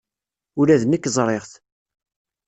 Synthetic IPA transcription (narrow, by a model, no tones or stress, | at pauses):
ʊɾæðənəkːzˤɾˤeʁθ